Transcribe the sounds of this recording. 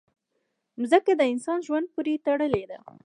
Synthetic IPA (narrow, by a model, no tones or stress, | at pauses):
zəkad̪əɪnsɑnʒwand̪̚puɾet̪aɽəled̪a̰